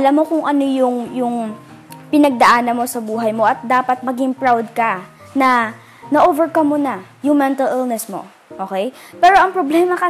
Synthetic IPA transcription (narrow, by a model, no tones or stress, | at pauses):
ʔɐlamːo̞kʊŋʔɐno̞jʊŋjʊŋ | pɪnɐɡ̚d̪ɐʔaːnɐnmo̞sɐbuːɦɐjmo̞ʔɐt̪̚d̪aːpɐt̪̚mɐɡɪŋpɹawd̪̚kɐ | nɐ | nɐʔoːvɛɹkɐmːonɐjʊŋmɛnt̪ɐlɪlnɛsmo̞̰ | ʔoːkɛjpɛːɾo̞ʔɐŋpɹoblɛːmɐkɐ